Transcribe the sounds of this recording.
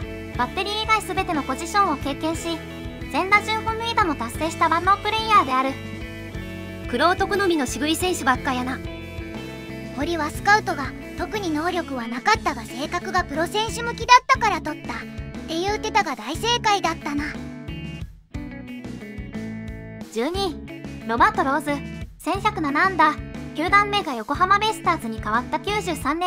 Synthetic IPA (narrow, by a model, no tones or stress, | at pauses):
b̥at̪ːe̞ɾʲiːɡaisɨbe̞t̪e̞no̞po̞ʑiɕõɰ̃o̞ke̞ːkẽɰ̃ɕi | zẽ̞nd̪aʑɨ̃ɰ̃hõmːeːd̪amo̞t̪asːe̞ːɕi̥t̪abanːopɯ̟ɾe̞iaːd̪e̞aɾɯ̟ | kɯ̟ɾo̞ːt̪o̞kɯ̟no̞mʲino̞ɕiɡɯ̟isẽ̞ɰ̃ɕɨbakːajana | ko̞ɾʲiβasɨ̥kaɯ̟t̪o̞ɡa | t̪o̞kɯ̟ɲ̟ino̞ːɾʲo̞kɯ̟βanakat̪ːaɡase̞ːkakɯ̟ɡapɯ̟ɾo̞sẽ̞ɰ̃ɕɨmɯ̟kʲid̪at̪ːakaɾat̪o̞t̪ːat̪ːe̞jɯ̟ːt̪ːe̞t̪aɡad̪aise̞ːkaid̪at̪ːana | d͡ʑɨːɲ̟iɾo̞bat̪o̞ɾo̞ːzɨsẽ̞ɰ̃çakɯ̟nanãnd̪akʲɨːd̪ãmːe̞ːɡajo̞ko̞hamamesɨ̥t̪aːzɨɲ̟ikaβat̪ːakʲɨːʑɨːsãnːẽ